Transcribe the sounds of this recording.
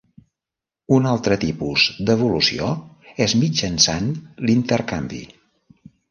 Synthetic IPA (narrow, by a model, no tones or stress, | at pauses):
unalˠt̪ɾət̪ipuzd̪əβulusio | ezmid͡ʒənsanlint̪əɾkambḭ